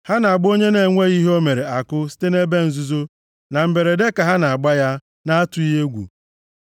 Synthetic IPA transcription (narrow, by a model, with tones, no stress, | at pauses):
ha˦na˨ɡ͡bo˦ɲe˦ne˨ŋʷe˦ɣi˦ɦo˦me˨ɾe˨a˨kʊ˦si̥˦te˦ne˦be˦n̩˨zu˦zo˦ | na˨m̩˨be˨ɾe˨de˦ka˨ɦa˦na˨a˨ɡ͡ba˦ja˦ | na˦a˦tʊ˨i˦ɦe˦ɡʷṵ˨